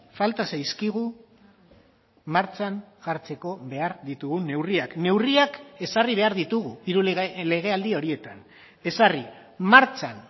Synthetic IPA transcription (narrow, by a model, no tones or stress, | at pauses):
falt̪asajskiɣ̞u | maɾt͡ʃanʝaɾt͡se̞ko̞βe̞aɾðit̪uɣune̞wriakne̞wriake̞sariβ̞e̞aɾðit̪uɣ̞uiɾule̞ɣ̞e̞ald̪io̞ɾie̞t̪an | e̞sari | maɾt͡ʃan